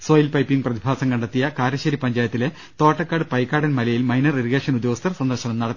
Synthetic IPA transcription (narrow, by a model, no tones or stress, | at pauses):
soːjilpɐjpːiŋɡprɐðibʱaːsɐŋkɐɳɖɐt̪ːijɐkaːɾɐɕɐɾipɐɲd͡ʑaːjɐt̪ːile̞ | t̪o̞ːʈːɐkːaːɽɨpɐjkːaːɽɐnmɐlɐjilmɐjnɐreɾiɣeːʂɐnud̪joɐst̪ʰɐrsɐnd̪ɐrɕɐnɐmnɐɽɐt̪ː